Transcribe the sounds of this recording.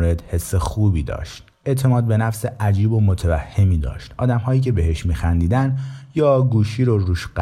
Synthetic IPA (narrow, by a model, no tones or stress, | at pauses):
ɾe̞d̪he̞sːexuːbiːd̪ɒ̰ːʃt̪̚ | e̞ʔt̪ʰe̞mɒːd̪̚be̞næfseʔæd͡ʒiːbo̞mot̪ʰevæhːe̞miːd̪ɒ̰ːʃt̪ʔɒ̰ːd̪æmhɒːjiːcʰe̞beɦe̞ʃmiːxænd̪iːd̪ænjɒːɡuːʃiːɾoɾuːʃɢ